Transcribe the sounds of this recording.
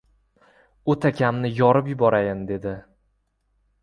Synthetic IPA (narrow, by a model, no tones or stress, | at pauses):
ot̪ʰakʲʰamnɪjɒɾɪpjʊbɒɾajɪnd̪e̞d̪ɪ